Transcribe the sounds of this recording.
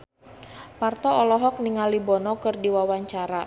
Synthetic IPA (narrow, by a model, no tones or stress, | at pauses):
part̪ɔɔlɔɦɔk̚niŋalibɔnɔkɨrdiwawaɲt͡ʃaɾa